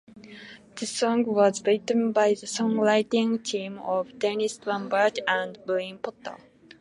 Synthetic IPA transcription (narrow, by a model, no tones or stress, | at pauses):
ð̥əsɔ̃ŋwɔzbitə̃nbaɪðəsɔ̃ŋlaɪtɪ̃ŋtʰĩmɔvdɛnistɹãmbə˞ɡə̃nbolĩnpʰɔtə̰l